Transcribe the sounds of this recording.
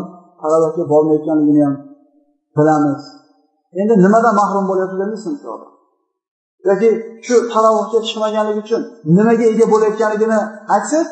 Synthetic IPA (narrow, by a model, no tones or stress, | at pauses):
t̪ʰaɾawɒhɡʲabɒɾmajɒt̪̚kʲanlɪɡʲɪnɪjam | b̥ɪlamɪz̥ | e̞nd̪ɪnɪmad̪anmahɾʊmbolajapt̪ɪɡʲanɪsɪnɒ̰d̪a̰ | jɒkʲɪʃʊt̪ʰaɾawɒhɡʲat͡ʃʰɨ̥qmaɡʲanlɪɡʲɪʊt͡ʃʰʊnnɪmaɡʲae̞ɡʲabolajɒt̪̚kʲanlɪɡʲɪnɪajt̪sɪ